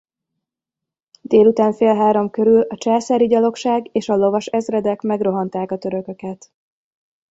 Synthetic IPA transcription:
d̪eːlut̪aːɱfeːlɦaːɾo̞mkø̞ɾylɒt͡ʃɛːsɛɾiɟɒlo̞kʃaːɡeːʃɒlo̞vɒʃɛzrɛd̪ɛkmɛɡro̞ɦɒnt̪aːkɒt̪ø̞ɾø̞kø̞kɛt̪

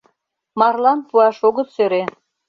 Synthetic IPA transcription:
mɑrlɑnpuɑʃoɣət̪søɾe

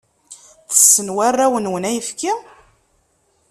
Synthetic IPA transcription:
θə̥sːənwarˤːæwənwənæjəfki

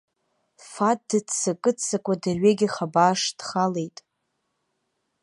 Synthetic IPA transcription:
fat̚dɨt͡sʰakʼɨt͡sʰːakʷʼadarɥeɡʲiχabaːʂdχale̞jtʼ

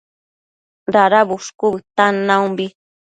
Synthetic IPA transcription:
ɾaɾabuʂkʊbɨt̪anaumbi

